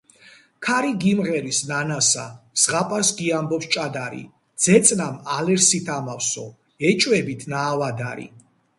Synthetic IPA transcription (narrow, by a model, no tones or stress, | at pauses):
kʰaɾiɡimʁɛɾisnanasa̰sʁapʼasɡiambɔpst͡ʃʼad̪aɾḭ | d̪z̥ɛt̪sʼnamalɛɾsit̪ʰamafsɔ | ɛt͡ʃʼwɛbit̪ʰnaːvad̪a̰ɾḭ